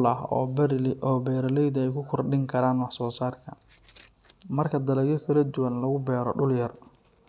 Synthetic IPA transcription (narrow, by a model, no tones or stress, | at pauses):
lɐɦɔ̰ːbʔɔːbɛːɾɐlɛjðʊɛjkʰʊkʰɔrɖɪŋkʰɐɾaːnwɑħsɔːsaːrkʰɐ | mɐrkʰɐd̪ɐlɐɣjɔkʰɐlɐd̪ʊwɐnlɐɣʊbɛːɾɔ̰ɖʊljɐr